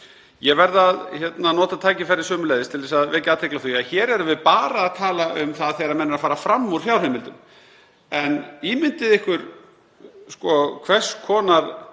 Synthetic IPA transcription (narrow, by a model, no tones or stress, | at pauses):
jɛɣvɛɾðaðçɛt̪nanɔːt̪at̪ʰaːjcɪfɛɾːɪɾ̥sœːmʏlejðɪst̪ʰɪlɛːsaðvɛːcaðat̪ʰɪklaθiaçɛːɾɛɾʏvɪðpaːɾaːðt̪ʰaːlaʔʏmθaðθejɾamɛnːʏɾafaːɾafɾamːuɾ̥hjawrhɛmɪlt̪ʏm | ɛniːmɪnt̪ɪðɪhkvʏɾ | skɔkʰvɛr̥skʰɔːnaɾ̥